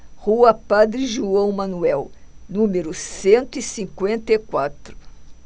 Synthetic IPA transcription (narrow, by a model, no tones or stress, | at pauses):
huɐpad̪ɾɪʒuɐ̃w̃mɐ̃nuɛwnũmeɾʊsẽnt̪ʊisĩŋkwẽnt̪ekwat̪ɾʊ